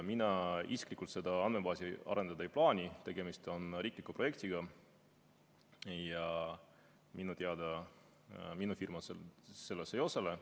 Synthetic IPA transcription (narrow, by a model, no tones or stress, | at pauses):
minɑisi̥klikːˑult̪se̞d̪̥ɑɑnme̞bɑːsiɑ̰ɾe̞nd̪̥ɑd̪ɑjplɑːnʲit̪e̞ɡ̥e̞mist̪o̞nriːkˑlikːupro̞je̞k̚t̪iɡɑ | jɑ | minut̪eɑd̪̥ɑ | minufirmɑsse̞lːesejo̞sele